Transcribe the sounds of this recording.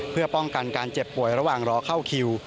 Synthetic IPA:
pʰɯ˥˩ɐpɔ˥˩ŋka˧nkaː˧nt͡ɕe˨˩pːu˨˩əjɾa˧waː˨˩ŋɾɔː˦˥kʰa˥˩wkʰi˧w

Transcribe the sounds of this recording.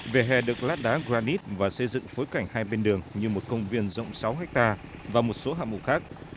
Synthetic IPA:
ve˨˩ɦɛ˨˩ɗɨ˨˩ək̚laː˦˥t̚ɗaː˨˦ɣzaː˧ni˦˥t̚vaː˨˩sə˧jzɨ̰˧˨ŋfo˨˦jka˨˩jŋ̟haː˧jɓe˧nɗɨ˨˩əŋɲɨ˧mo˨˩t̚kə˧wŋ͡mvi˧ənzə̰˧˨wŋ͡msa˨˦wɦɛ˦˥k̚t̪aː˧vaː˨˩mo˨˩t̚so˨˦ɦa̰ː˧˨mṵ˨˩xaː˦˥k̚

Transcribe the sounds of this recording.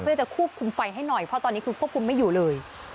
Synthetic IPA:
t͡ɕa˨˩kʰu˥˩əp̚kʰu˧mfa˧jɦa˥˩jnɔ˨˩jpʰɾɔ˦˥t̪ɔː˧niː˦˥kʰɯː˧kʰu˥˩əpkʰu˧mːa˥˩juː˨˩lɤː˧j

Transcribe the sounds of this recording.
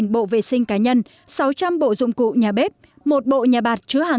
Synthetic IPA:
nɓo̰˧˨vḛ˧˨sï˧ŋ̟kaː˨˦ɲə˧n | sa˨˦wt͡ɕa˧mɓo̰˧˨zʊ̰˧˨ŋ͡mkṵ˧˨ɲaː˨˩ɓe˦˥p̚ | mo˨˩t̚ɓo̰˧˨ɲaː˨˩ɓaː˨˩t̚t͡ɕɨ˨˦əhaː˨˩

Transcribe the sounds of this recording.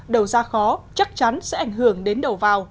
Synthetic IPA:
ɗə˨˩wzaː˧xɔ˨˦t͡ɕa˦˥k̚t͡ɕa˨˦nsɛ̰˧˥ʔa˧˩jŋ̟ɦɨ˧˩əŋɗe˨˦nɗə˨˩wvaː˨˩w

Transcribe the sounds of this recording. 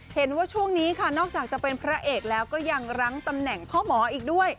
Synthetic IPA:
he˩˦nwaː˥˩t͡ɕʰu˥˩əŋniː˦˥kʰa˥˩nɔː˥˩k̚t͡ɕaː˨˩k̚t͡ɕa˨˩pe˧npʰɾa˦˥ʔeː˨˩k̚lɛː˦˥wkɔː˥˩ja˧ŋɾa˦˥ŋt̪a˧mnɛ˨˩ŋpʰɔː˥˩mɔː˩˦ʔiː˨˩k̚du˥˩əj

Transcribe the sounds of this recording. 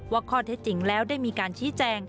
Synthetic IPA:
waː˥˩kʰɔː˥˩t̪ʰe˦˥t̪̚t͡ɕi˩˦ŋlɛː˦˥wda˥˩jmiː˧kaː˧nt͡ɕʰiː˦˥t͡ɕɛː˧ŋ

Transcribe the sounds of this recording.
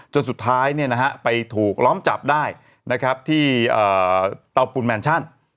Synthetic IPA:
t͡ɕo˧nsu˨˩t̪ʰːaː˦˥jni˥˩ɐna˦˥kʰa˦˥pa˧jt̪ʰuː˨˩k̚lɔː˦˥mt͡ɕa˨˩p̚daː˥˩j | na˦˥kʰɾa˦˥p̚t̪ʰiː˥˩ʔɤː˨˩t̪a˧wpu˧nmɛː˧nt͡ɕʰa˥˩n

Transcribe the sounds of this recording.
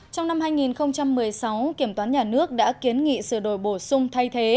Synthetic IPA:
t͡ɕɔ˧wŋ͡mna˧mhaː˧jŋi˨˩nxə˧wŋ͡mt͡ɕa˧mːɨ˨˩əjsa˨˦wki˧˩əmt̪waː˨˦nɲaː˨˩nɨ˦˥ək̚ɗa̰ː˧˥ki˨˦ənŋḭ˧˨sɨ˧˩ɗo˧˩jɓo˧˩sʊ˧ŋ͡mt̪ʰa˧jt̪ʰe˨˦

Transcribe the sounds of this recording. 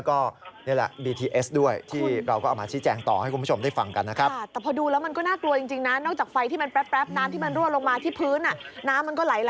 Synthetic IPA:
lwkɔː˥˩ni˥˩lɛ̰˨˩biː˧t̪ʰiː˧ʔe˦˥sdu˥˩əjt̪ʰiː˥˩ɾa˧wkɔː˥˩aː˨˩maː˧t͡ɕʰiː˦˥t͡ɕɛː˧ŋt̪ɔː˨˩ha˥˩jku˧nʰpːʰo˧mdaː˥˩jfa˧ŋka˧nːa˦˥kʰɾa˦˥˩t̪ɛː˨˩pʰɔː˧duː˧lɛː˦˥wma˧nkɔː˥˩naː˥˩klu˧ət͡ɕi˧ŋt͡ɕi˧ŋna˦˥nɔː˥˩k̚t͡ɕaː˨˩k̚fa˧jt̪ʰiː˥˩ma˧npɛ˦˥pːɾɛ˦˥p̚naː˦˥mt̪i˥˩m˧nɾu˥˩tlo˧ŋmaː˧t̪ʰi˥˩pʰɯː˦˥nʔa˩naː˦˥mː˧nkɔː˥˩laː˩˦jla˨

